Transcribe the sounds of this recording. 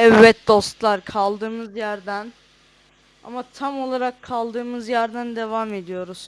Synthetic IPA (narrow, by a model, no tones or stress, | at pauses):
ɛvːɛt̪̚d̪o̞st̪lˠaɾkʰalˠd̪ɯːmɯzjæɾd̪æn | a̰mat̪ʰamo̞lˠaɾakʰːalˠd̪ɯːmɯzjæɾd̪ænd̪e̞vame̞d̪ijo̞ɾuz̥